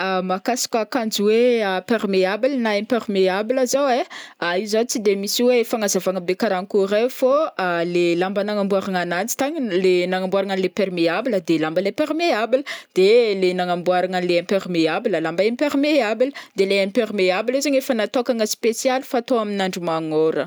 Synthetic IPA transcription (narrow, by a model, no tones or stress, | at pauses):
amakasḁkʲakand͡ʒiweapeɾmeabilnaẽmpeɾmeabiləzaweaizat͡sid̪emisiwefaŋazavaŋəbekaɾanikuɾafoalelambənaŋambuaɾaŋanant͡si̥t̪aɲilenaŋambuaɾaŋanilepeɾmeabiləd̪elambəlepeɾmeabiləd̪̥elenaŋambuaɾaŋanileẽmpeɾmeabiləlambaepeɾmeabiləd̪eleẽmpermeabilizaɲefənat̪okaŋəspesjalfat̪oaminaɳɖ͡ʐimaŋoɾə